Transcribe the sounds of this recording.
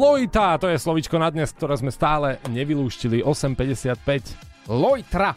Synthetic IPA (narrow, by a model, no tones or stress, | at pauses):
lɔjt̪at̪ɔjɛslɔʋit͡ʃkɔnad̪ɲɛsk̚t̪ɔɾɛːzmɛst̪aːlɛɲɛʋiluːʃciliʔɔsɛmpɛɟɛsɪat̪̚pɛc | lɔjt̪ɾa